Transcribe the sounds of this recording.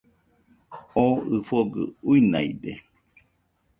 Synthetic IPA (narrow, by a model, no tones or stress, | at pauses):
oɨfoɡɯ̰uina̰ide